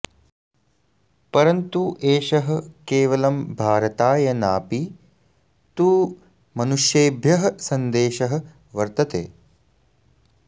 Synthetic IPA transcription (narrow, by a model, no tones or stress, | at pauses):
pɐɾɐnt̪uʔeːʃɐɦɐ̆keːʋɐlɐmbʱaːɾɐt̪aːjɐnaːpi | t̪uː | mɐnuʂjeːbʱjɐɦɐsɐnd̪eːʃɐɦɐ̆ | ʋɐɾt̪ɐt̪ḛː